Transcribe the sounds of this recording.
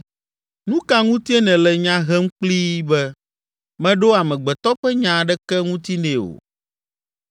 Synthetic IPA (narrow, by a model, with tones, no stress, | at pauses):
nũ˦ka˦ŋũ˦t̪i˦e˦nɛ̃˨lɛ˨ɲã˦ɦɛ˦ŋ̩˦k͡pli˦bɛ˦ | mɛ̃˦ɖo˦a˨mɛ̃˨ɡ͡bɛ˨t̪ɔ˦ɸɛ˦ɲã˨ɖɛ˦kɛ˦ŋũ˦t̪i˦nɛ̃˨o̰˨